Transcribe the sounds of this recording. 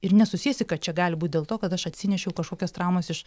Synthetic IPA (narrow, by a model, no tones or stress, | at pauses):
ɪɾnʲɛsʊsʲiɛsʲɪkɐt̪̚t͡ʃʲɛɡɑːlʲɪbuːt̪̚ʲdʲeːlˠt̪oːkɐt̪ɐʃɐt̪ʲsʲɪnʲɛʃʲɛʊkɐʃkoːkʲost̪ɾɑˑʊmɐsɪʃ